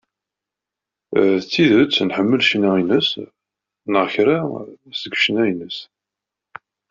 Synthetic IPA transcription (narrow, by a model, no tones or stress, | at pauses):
t͡sːiðət͡sːnħəmːəlʃnainəs | nəʁçɾasəɡʷʃənæjənəs